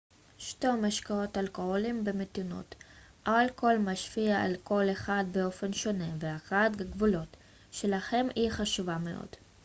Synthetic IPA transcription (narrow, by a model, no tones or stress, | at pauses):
ʃtemaʃkao̞talko̞holimbemet̪ino̰t̪ | ʔalko̞lmaʃfiaa̰lko̞leχad̪̚beo̞fe̞nʃo̞neveaχat̪ɡaɡvulo̞t̪ | ʃelaχe̞miχaʃuvameʔo̰d̪̥